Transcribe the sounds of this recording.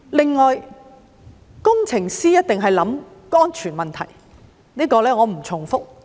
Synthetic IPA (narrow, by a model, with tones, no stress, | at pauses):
lɪ˨ŋːɔː˨j | kʊ˥ŋt͡sʰɪ˨˩ŋsiː˥jɐ˥t̚t̪ɪ˨ŋɦɐ˨jlɐ˨˥m | kɔː˥nt͡ʃʰyː˨˩nmɐ˨nt̪ʰɐ˨˩j | niː˥kɔː˧lɛː˥ŋɔː˨˧m̩˨˩t͡sʰʊ˨˩ŋfʊ˥k̚